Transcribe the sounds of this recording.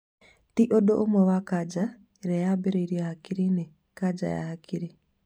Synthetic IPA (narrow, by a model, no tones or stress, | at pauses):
tiʔoɗoʔomoβakad͡ʒa | ɾejabeɾeiɾiahakiɾine | kad͡ʒa̰ja̰hakʰiɾi